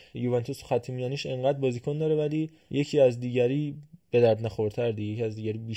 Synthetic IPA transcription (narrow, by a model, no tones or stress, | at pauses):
juvent̪ʰosxæt̪ʰimijɒːniːʃe̞ɴɢæd̪̚bɒːzikʰond̪ɒːɾevæliː | je̞cʰiːæzd̪iːɟæɾiːb̥e̞d̪æɾd̪næxoɾt̪ʰæɾd̪ijecʰiæzd̪iːɟæɾiːbiː